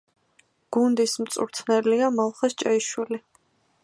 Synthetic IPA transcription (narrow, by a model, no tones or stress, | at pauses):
ɡ̥und̪ismt̪sʼṵɾt̪sʰnɛliamalˠχast͡ʃʼɛiʃwili